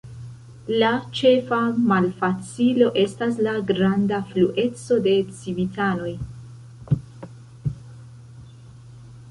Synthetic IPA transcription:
lat͡ʃe̞famalfat͡silo̞ʔe̞stas̬laɡɾandafluʔe̞t͡so̞de̞t͡sivitʰano̞j

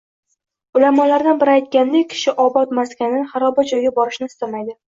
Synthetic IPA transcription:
ʊlamɒlaɾd̪anbɪɾajt̪̚kʲand̪ɪkʲʰɪ̥ʃɪʔɒbɒt̪maskʲʰanɪχaɾɒbad͡ʒɒjɡʲabɒɾɪʃnɪɪst̪amajd̪ɪ

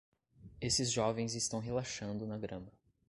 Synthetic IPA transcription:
esɪzʒɔvẽj̃zɪst̪ɐ̃w̃ɦelaʃɐ̃nd̪ʊnɐɡɾɐ̃mɐ

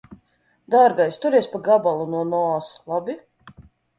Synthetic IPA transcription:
d̪aɾɡajst̪uɾiɛspaɡabalˠunuɔnɔslˠabʲi

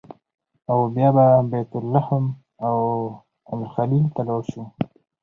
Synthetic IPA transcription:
awbjɑbabajt̪ʊlːahm | aw | amixalilt̪alawʃu

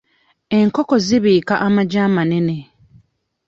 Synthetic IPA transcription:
e̞ŋkoko̞ziβiːkaʔamaɟaːmanene̞

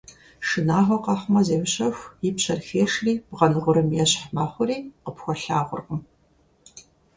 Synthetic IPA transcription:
ʂɨnaːʁʷɔqɑχʷmɐzeːwʊɕɐxʷipɕɐrxeːʂriːbʁɐnɨʁʷʊɾɨmjɛɕħmaːχʷʊriːqəpxʷɔɬaːʁʷʊrqʊm

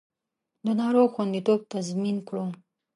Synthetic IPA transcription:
d̪ənɑɾoxwand̪it̪ob̚t̪azminkɽu

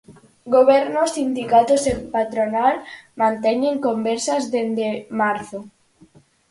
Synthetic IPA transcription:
ɡoβɛɾnosind̪ikat̪osempat̪ɾonalmãnt̪ɛɲeŋkombeɾsazðend̪emaɾθo

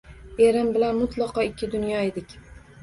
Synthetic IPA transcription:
e̞ɾɪmbɪlanmʊt̪lˠɒqɒɪkʲːɪd̪ʊnjɒed̪ɪkʲ

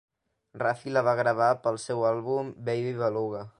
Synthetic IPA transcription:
rafiləβaɣɾəβ̞apəlˠsɛwalˠβumbejβiβəluɣə

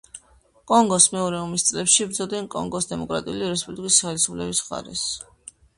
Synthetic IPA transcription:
kʼɔŋɡɔsmɛɔɾɛɔmist̪sʼlɛpʃibɾd̪zɔd̪ɛnkʼɔ̰ŋɡɔsd̪ɛmɔkʼɾat̪ʼiuliɾɛspʼublikʼisaχɛlisupʰlɛbisχa̰ɾɛ̰s

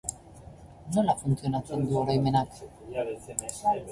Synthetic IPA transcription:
nolafunt͡sio̞nat͡se̞nd̪uorajme̞nak

